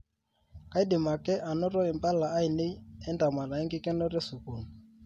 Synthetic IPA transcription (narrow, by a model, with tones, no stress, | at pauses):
ka˨˦i˦dɪ˨ma˨kɛ˦ʔa˨nɔ˦ɾɔ˦ɛ˨mba˦laː˨˦i˨ne˦i˦ɛ˦nda˨ma˨la˨ɛ˦ŋɡɪ˦kɛ˦nɔ˦ɾɛ˦su˨ku˨nu˨